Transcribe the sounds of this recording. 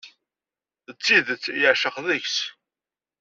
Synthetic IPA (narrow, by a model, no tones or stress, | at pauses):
ət͡sːiðt͡sːjəʕʃəqðəçs